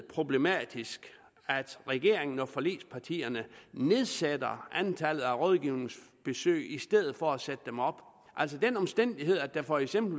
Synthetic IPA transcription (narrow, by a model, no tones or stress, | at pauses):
pʰʁo̝b̥le̝mɛ̰d̥isɡ̥ | æd̥ʁɛɡ̥e̝ɐ̰e̝ŋn̩ɒfɒ̽le̝̰ːspʰɑ̈t͡sʰḭːɐnəne̝ð̞ˠsed̥ɐænt͡sʰælð̩ˠæʁɔ̽ð̞ˠɡ̥iʊne̝ŋsb̥e̝sø̰ːɪisd̥eð̞̰ˠð̩ˠfɒ̽æsed̥əd̥emɒ̽b̥ | ʔæl̰s̬ɒd̥enɒ̽msd̥en̰d̥iɦe̝ð̞̰ˠæd̥æfɒ̽eɡ̥sem̰b̥l̩